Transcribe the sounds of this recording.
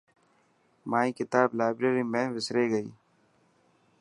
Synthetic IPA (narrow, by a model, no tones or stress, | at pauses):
maːĩːkɪt̪aːblaːɪbɾeːɾiːmẽʋɪsɾeːɡəḭː